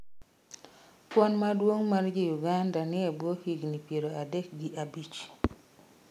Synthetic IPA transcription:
pwɔnmadwoŋmard͡ʒijuɡandanɪebwohiɡnipjeɾoadek̚ɡiʔabit͡ʃ

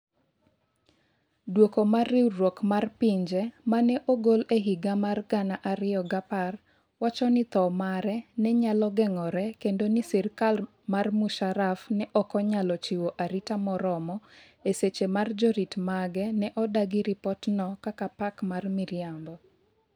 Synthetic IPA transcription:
dwokomarːiɾwokmarpiɲd͡ʒɛmanɛʔoɡoleɦiɡamarɡanaʔaɾɪjɔɡapar | wat͡ʃɔnɪt̪ɔmaɾɛnɛɲalɔɡɛŋɔɾɛkendonisɛrkal | marmuʃaɾafnɛʔɔkɔɲalɔt͡ʃiwoʔaɾitamɔɾɔmɔ | eset͡ʃemard͡ʒoɾitmaɡɛnɛʔɔdaɡiɾipɔtnɔkakapakmarmiɾjambɔ

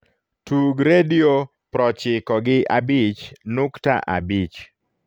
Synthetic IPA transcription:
tuɡɾedio | pɾɔt͡ʃɪkɔɡɪʔabɪt͡ʃnʊkta̰ʔa̰bit͡ʃ

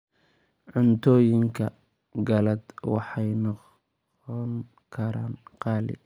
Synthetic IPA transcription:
ʕʊnt̪ʰɔːjɪŋkʰɐ | ɡɐlɐd̪wɑ̰ħɑjnɔ | ɔŋ | kʰɐɾaːnqɑːlɪ̰

